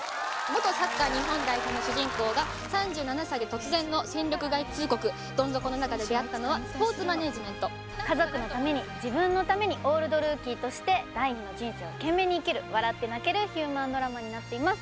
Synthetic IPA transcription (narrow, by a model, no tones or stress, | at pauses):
mo̞t̪o̞sakːaːɲ̟iɦõ̞ŋɡ̪aikano̞ɕɨʑĩŋko̞ːɡa | sãɲ̟d͡ʑɨːnanasaid̪e̞t̪o̞t͡sɨzẽ̞nːo̞sẽ̞nɾʲo̞kɯ̟ɡait͡sɨːko̞kɯ̟ | d̪̥õ̞nzo̞kɯno̞nakad̪e̞d̪e̞at̪ːano̞βasɨ̥po̞ːt͡sɨmane̞ːʑimẽ̞nt̪o̞ | kazo̞kɯ̟no̞t̪ame̞ɲ̟id͡ʑibɯ̟̃nːo̞t̪ame̞ɲ̟iʔo̞ːɾɯ̟d̪o̞ɾɯ̟ːkʲiːt̪o̞ɕi̥t̪e̞d̪aiɲĩnod͡ʑĩɰ̃seːokẽ̞mːe̞ɲ̟iːkeɾɯ̟βaɾat̪ːe̞nake̞ɾɯ̟çɨːmãnd̪o̞ɾamaɲ̟inat̪ːe̞imasɨ̥